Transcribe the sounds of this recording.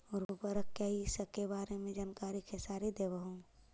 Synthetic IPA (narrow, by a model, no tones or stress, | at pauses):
ʊɾubəɾəkkeɦisəkebaːɾemẽd͡ʒaːnkaːɾikʰesaːɾid̪eːbəɦũ